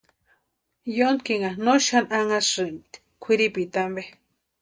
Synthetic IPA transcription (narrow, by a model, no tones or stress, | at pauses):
jonkiŋanoʃanaŋasɨmt̪ | kʷʰiɾipit̪ambe